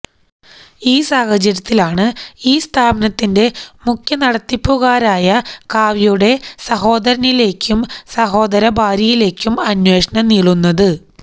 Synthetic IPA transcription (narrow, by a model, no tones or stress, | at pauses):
iːsaːhɐd͡ʑɐɾɐt̪ːilaːɳɨiːst̪ʰaːbɐnɐt̪ːinde̞mukʰʲjɐnɐɽɐt̪ːipːuɣaːɾaːjɐkaːʋijuɽe̞sɐɦo̞ːd̪ɐɾɐnile̞ːkʲːumsɐɦo̞ːd̪ɐɾɐbʱaːɾjɐjile̞ːkʲːumɐnwe̞ːʂɐɳɐniːɭunːɐðɨ